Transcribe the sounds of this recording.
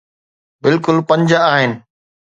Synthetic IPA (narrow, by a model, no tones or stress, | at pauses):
bɪlkʊlpɐ̃ɲd͡ʑaːɦɪnɪ̆